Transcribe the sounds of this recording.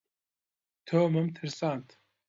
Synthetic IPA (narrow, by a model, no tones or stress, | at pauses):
t̪ʰoːmɨmt̪ʰɨɾsaːnt̪